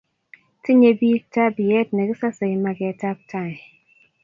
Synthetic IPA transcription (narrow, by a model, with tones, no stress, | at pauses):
ti˦ɲe˦bi˦k̚ta˦bi˨jɛ˦t̚nɛ˨ɡɪ˦sa˦se˨ma˨ɡɪ˨a˨ta˦p̚tʰa˦˨ɛ˨